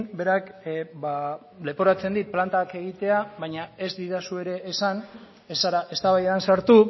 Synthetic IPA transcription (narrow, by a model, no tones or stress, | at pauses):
be̞ɾakba | le̞poɾat͡se̞nd̪it̪̚plant̪ake̞ɣ̞it̪e̞aβajɲae̞zd̪iðasue̞ɾe̞ʔːsan | esaɾae̞st̪aβajðansaɾt̪u